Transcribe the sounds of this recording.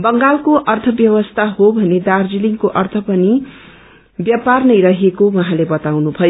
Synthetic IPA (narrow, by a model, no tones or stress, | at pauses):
bʌŋɡalkoʔʌrt̪ʰʌbjʌβʌst̪ʰaɦobʱʌned̪ard͡ziliŋkoʔʌrt̪ʰʌpʌni | bjaparnʌjɾʌɦekowʌɦãlebʌt̪awnubʱʌjo